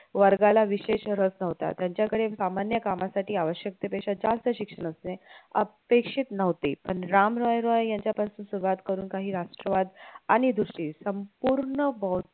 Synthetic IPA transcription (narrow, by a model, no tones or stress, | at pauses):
ʋəɾɡalaʋiɕeɕɾəsnəʋt̪a̰t̪jãɲt͡ɕjakəɽesamanjəkamasaʈiːaʋəɕjək̚t̪epəɕad͡zalst̪əɕikʂəɳəsneə̰pekʂit̪nəʋt̪iːpəɳɾamɾɔjɾɔjjaɲt͡ɕjapasuːnsuɾuʋat̪kəɾuːnkaɦiːɾaʂʈɾəʋad̪aɽ̃id̪ʱuʂʈiːsəmpuɾɳəbɔ